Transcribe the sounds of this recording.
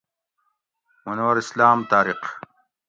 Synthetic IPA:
munɐwɐɾislaːmt̪aːɾiq

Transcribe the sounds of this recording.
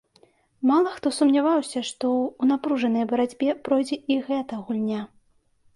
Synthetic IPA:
malˠɐxt̪ɔsumnʲavawsʲɐʂt̪ɔunapɾuʐɐnɐjbɐɾad͡zʲbʲɛpɾɔjd͡zʲɛiɣɛt̪ɐɣulʲnʲa

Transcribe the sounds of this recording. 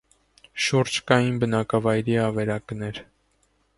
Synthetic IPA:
ʃuɾd͡ʒkɑjinbənɑkɑvɑjɾiɑvɛɾɑknɛɾ

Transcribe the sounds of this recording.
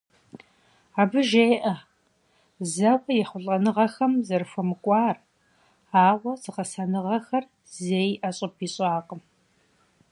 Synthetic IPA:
aːbɨʒeːʔɐ | zɐwʷɐjɛχʷʊɬʼɐnɨʁɐxɐmzɐrfɐmɨkʷʼɑːr | aːʁʷɐzɨqɐsɐnɨʁɐxɐr | zeːjʔɐɕʼɪpʰiɕʼaːqʼəm

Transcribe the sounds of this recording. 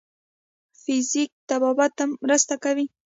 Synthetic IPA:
fɪzɪk̚t̪ababat̪amːɾəst̪akawi

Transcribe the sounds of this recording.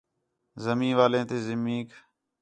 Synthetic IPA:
zəmĩːʋaːlẽːt̪eːzɪmiːk

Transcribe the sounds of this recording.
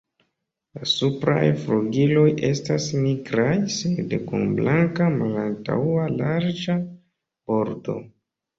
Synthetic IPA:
lasupɾa̰jfluɡilo̞jʔe̞stasniɡɾajsedekunblʔaŋkamalanta̰walaɾd͡ʒa | b̥o̞ɾdo̞̰

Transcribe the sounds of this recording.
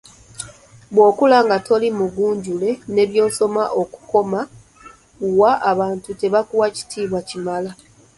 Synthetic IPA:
bwo̞ːkulaŋɡatʰo̞limuɡuːɲɟule̞ne̞βjo̞ːso̞maʔo̞ku̥ko̞ma | uwaʔaβaːntute̞βakuwaci̥tʰiːβwacimala

